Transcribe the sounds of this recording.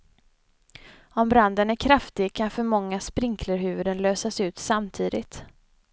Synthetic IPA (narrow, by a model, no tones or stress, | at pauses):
ɔmbɾand̪ənæɾkʰɾaft̪ɪɡkʰanfœɾmɔŋːaspɾɪŋkʰləɾɦʉ̟ːvɵd̪ənløːsasʉ̟ːt̪samt̪ʰiːd̪ɪ̰t̪